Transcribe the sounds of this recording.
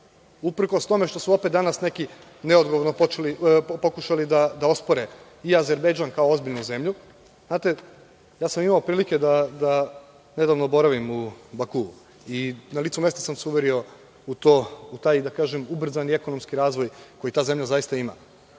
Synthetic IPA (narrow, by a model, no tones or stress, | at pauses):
upɾ̩ko̞st̪o̞me̞ʃt̪o̞suo̞pet̪d̪anasne̞ki | ne̞o̞d̪ɡoʋo̞ɾnopot͡ʃelipo̞kuʃalid̪ad̪ao̞spoɾe | iazeɾbejd͡ʒaːnkao̞o̞zbiʎnuze̞mʎu | znaːt̪e | jaːsamimaopɾiːlike̞d̪ad̪a | ne̞d̪aʋnobo̞ɾaʋimubaku | inalit̪ume̞st̪asamsuʋeɾio̞ | ut̪out̪aːjd̪akaːʒemubr̩zanie̞ko̞nomskiɾaːzʋo̞jko̞jit̪aːze̞mʎʲazaist̪aima̰